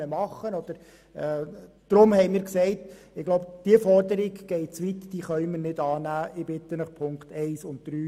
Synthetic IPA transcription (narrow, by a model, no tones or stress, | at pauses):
əmɑχːənɔd̥əɾ | ɛː | d̥ɾʊmhɛɪmɪːɾksɛɪt | ɪɡ̥loʊbd̥iəfɔrdəɾiɡɡ̥ɛɪt͡sʋit̪d̥iːχœʏməɾnɪdɑːnæːɪbɪt̪ːənəχpʰʊŋkt̪ɛɪsʊnt̚d̥ɾyː